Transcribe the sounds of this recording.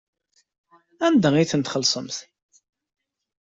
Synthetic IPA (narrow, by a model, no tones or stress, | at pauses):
ænd̪æiθənt̪χəlːsˤəmθ